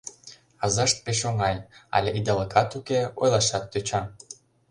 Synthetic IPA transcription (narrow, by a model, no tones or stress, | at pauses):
ɑzɑʃt̪̚peʃ̬oŋɑjɑ̰lʲeʔid̪ɑlɤkʰɑt̪ukeojlˠɑʃɑt̪ːøt͡ɕɑm